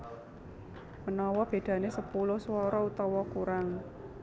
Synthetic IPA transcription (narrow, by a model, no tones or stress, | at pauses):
mənɔwɔb̥e̤d̪̥ä̤nesəpulʊhswɔɾɔut̪ɔwɔkuɾaŋ